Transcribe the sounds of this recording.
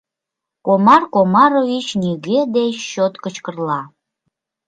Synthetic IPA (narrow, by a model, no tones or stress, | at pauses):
komɑrkomɑɾovit͡ʃniɡʲed̪eʃot̪kət͡ʃkərlˠɑ